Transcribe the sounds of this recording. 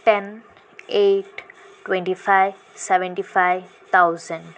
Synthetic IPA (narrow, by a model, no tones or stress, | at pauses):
ʈɛn | eːʈ | ʈwɛ̃ɳʈifaɪj | sɛʋɛ̃ɳʈifaɪʋ | t̪ʰaʊzə̃ɳɖ